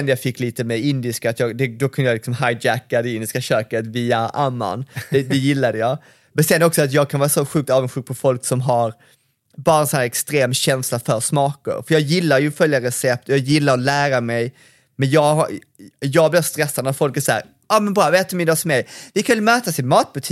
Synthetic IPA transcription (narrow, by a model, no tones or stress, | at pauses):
ɛnjɑːfɪkːliːt̪əmɛɪnd̪ɪskaat̪jɑːɡd̪ɛd̪ɔkʰɵnd̪əjalɪksɔmɦajd͡ʒækːad̪ɛɪnd̪ɪskaɕøːkət̪viːaʔamːa̰nɛd̪ɛjɪlːad̪əjɑː | mɛnsɛnːɔksɔat̪̬jɑːɡ̚kʰanvɑːɾasɔɧʉk̚t̪ɑːvənɧʉ̟ːk̚pʰɔfɔlksɔmɦaɾ | bɑːɾaɛnsɔnæːɾɛkst̪ɾeːmɕɛnslafœɾsmɑːkə̰ɾfœɾjɑːɡjɪlːaɾjɵfœljaɾɛsɛp̚t̪ɔjɑːɡjɪlːaɾɔlæːɾamɛj | mɛnjɑːɡh | jɑːɡblɪɾst̪ɾɛsːad̪ənat̪fɔlkæʂæ̰ːɾ | ɑːmɛnbɾɑːvɛːt̪ɵmɪnasmɛjvɪkʰanɪlmøːt̪asɪnmɑːt̪̚bɵt̪ʰiː